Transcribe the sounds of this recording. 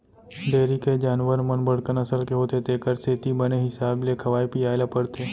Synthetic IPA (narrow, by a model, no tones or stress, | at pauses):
ɖeːɾiked͡ʒaːnʋəɾmənbəɽkənəsəlkeɦoːt̪et̪eːkəɾset̪ibəneɦɪsaːblekʰɐʋaːjpiːaːjlapəɽt̪eː